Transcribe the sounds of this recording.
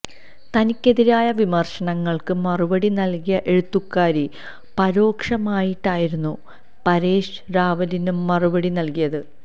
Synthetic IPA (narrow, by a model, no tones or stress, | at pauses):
t̪ɐnikʲːe̞ðiɾaːjɐʋimɐrʂɐɳɐŋːɐɭkɨmɐrubɐɽinɐlkijɐʔe̞ɻut̪ːukːaːɾi | pɐɾo̞ːkʂɐmaːjiʈːaːjiɾunːu | pɐɾeːʂɾaːʋɐlinumɐrubɐɽinɐlkijɐðɨ